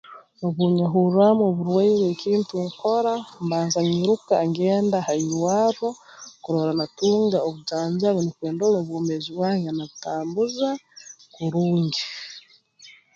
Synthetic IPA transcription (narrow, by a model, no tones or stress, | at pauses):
oβuːɲaɦuɾamoβuɾwaiβwekiːntuŋkoɾambaːnzaɲiɾukaŋɡeːndahaiwaɾokuɾoɾanatuːŋɡaoβuzaːɲzaβenikweːndoloβuːmeziβwaːɲɡanaβutaːmbuzakuɾuːɲɟi